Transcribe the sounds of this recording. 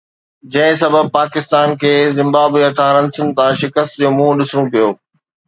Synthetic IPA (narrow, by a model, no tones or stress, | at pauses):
d͡ʑɐ̃ɦɪ̃sɐbəb̚paːkɪst̪aːnkʰeːzɪ̃mbaːbiɐt̪ʰãɾɐ̃nsən̆t̪ãʃɪkəst̪d͡ʑoːmũːɦɗɪsɽ̃ũpijoː